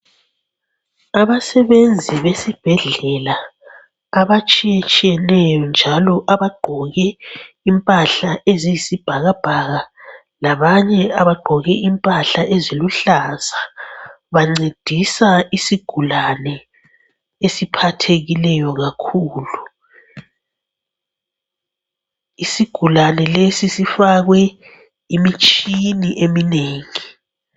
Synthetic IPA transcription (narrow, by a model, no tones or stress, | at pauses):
aβasɛβend͡zʱiβesib̥ʱɛɮɛla | aβat͡ʃʼijet͡ʃʼijɛnɛjɔnd͡ʒʱalɔʔaβaɡ͡ǃʱɔɣɛ | impʼaɬaʔezijisib̥ʱaɣab̥ʱaɣa | laβaɲɛaβaɡ͡ǃʱɔɣɛimpʼaɬaʔeziluɬaz̥a | βaŋ͡ǀed̥ʱisaisiɡ̥ʱulanɛ | esipʰatʰeɣilɛjɔɣakʰuːlu | isiɡ̥ʱulanɛlesisifaɣwɛ | imit͡ʃʼiniʔemineːŋi